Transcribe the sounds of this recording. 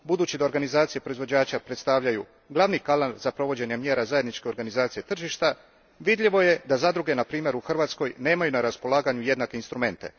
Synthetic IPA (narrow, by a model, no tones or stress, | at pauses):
bud̪uːt͡ɕid̪aoɾɡanizaːt̪sije̞pɾo̞izʋo̞d͡ʑaːt͡ɕapɾe̞t̪st̪aʋʎaju | ɡlˠaʋnikalalz̥apɾo̞ʋo̞d͡ʑe̞ɲemje̞ːɾazaje̞d̪nit͡ʃke̞o̞ɾɡanizaːt̪sije̞t̪r̩ʒiʃt̪a | ʋid̪ʎʲiʋo̞je̞d̪azad̪ɾuɡe̞napɾiːmje̞ɾuxr̩ʋaːt̪sko̞jne̞ːmajunaɾaspo̞lˠaːɡaɲuje̞d̪nake̞inst̪ɾume̞nt̪e̞̰